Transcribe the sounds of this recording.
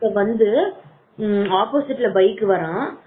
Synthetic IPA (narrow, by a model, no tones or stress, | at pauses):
ɐʋɐnd̪ɯ | aːpoːsɪʈːɪlɐbɐɪkːɯʋɐɾãː